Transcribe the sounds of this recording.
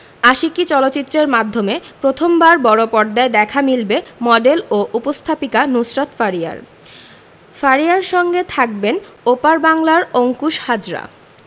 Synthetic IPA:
aʃikit͡ɕɔlotːt͡ɕit̪ːɾeɾmad̪ʱːomepɾot̪ʰombaɾbɔɾopɔɾd̪aed̪ɛkʰamilbemɔɖeloʔupost̪ʰapikanusɾat̪faɾia̰ɾ | faɾiaɾʃɔŋɡet̪ʰak̚benopaɾbaŋlaɾoŋkuʃhad͡ʑɾa̰

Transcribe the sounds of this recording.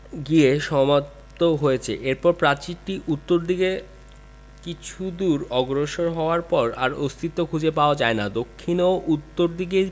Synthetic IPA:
ɡieʃɔmat̪ː | oɦojet͡ɕʰḛʔeɾpɔɾpɾat͡ɕiʈiʔut̪ːoɾd̪ʱiɡe | kit͡ɕʰud̪uɾɔɡɾoʃoɾɦɔoaɾpɔɾa̰ɾost̪ʰit̪ːokʰud͡ʑepaoad͡ʑaenad̪okʰːinoʔut̪ːoɾd̪ʱiɡe

